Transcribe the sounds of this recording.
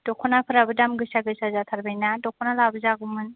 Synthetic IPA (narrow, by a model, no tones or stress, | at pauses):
d̥ɔkʰɔnapʰɯɾabɯdamɡɯjsaɡɯjsazat̪ʰaɾbajnadɔkʰɔnalabɯzaɡumɯn